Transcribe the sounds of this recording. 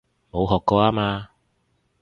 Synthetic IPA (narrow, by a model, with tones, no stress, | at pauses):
mo˨˧wɦɔː˨kːɔː˧aː˥maː˧